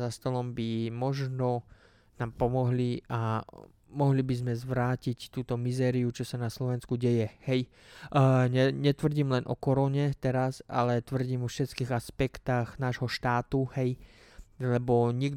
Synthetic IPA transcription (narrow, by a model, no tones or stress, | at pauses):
zast̪ɔlɔmbimɔʒnɔ | naːmpɔmɔɦlia | mɔɦlibizmɛzʋɾaːcict̪uːt̪ɔmizɛːɾiut͡ʃɔsanaslɔʋɛnskuɟɛjɛhɛj | ɲɛɲɛt̪ʋr̩ɟiːmlɛnʔɔ̰kɔɾɔɲɛt̪ɛɾasa̰lɛt̪ʋr̩ɟiːmɔfʃɛt̪kiːɣaspɛkt̪aɣnaːʒɦɔʃt̪aːt̪uhɛj | lɛbɔɲiɡ